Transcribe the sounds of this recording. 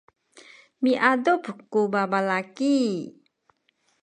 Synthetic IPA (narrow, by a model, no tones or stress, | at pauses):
miʔadupkubabalaki